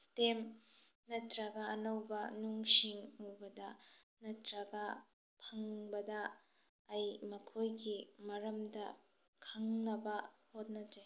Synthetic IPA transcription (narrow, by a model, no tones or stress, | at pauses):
stem | nɐtɾɐɡɐːnɐwbɐnuŋsiŋɐwbɐdɐnɐtɾɐɡɐ | pʰɐŋbɐdɐː | jmɐkʰojɡimɐɾɐmdɐ | kʰɐŋnɐbɐhot̚nɐd͡ʒe